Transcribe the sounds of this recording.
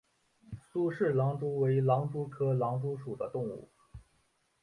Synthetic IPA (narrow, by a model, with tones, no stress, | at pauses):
su˥ʂɻ̩˥˩lɑ˧˥ŋʈ͡ʂu˥we˧˥ɪlɑ˧˥ŋʈ͡ʂu˥kʰɤ˥lɑ˧˥ŋʈ͡ʂu˥ʂu˨˩d̪ə˦t̪ʊ˥˧ŋṵ˥˩